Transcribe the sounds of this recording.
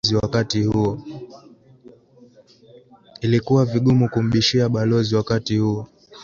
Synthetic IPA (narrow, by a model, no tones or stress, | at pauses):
ziwakatihuɔ | ilikuwaviɠumukum̩ɓiʃiaɓalɔziwakatihuɔ